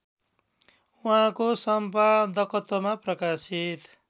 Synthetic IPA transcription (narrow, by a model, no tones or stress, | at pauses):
uɦãkosʌmpad̪ʌkʌt̪omaprʌkasit̪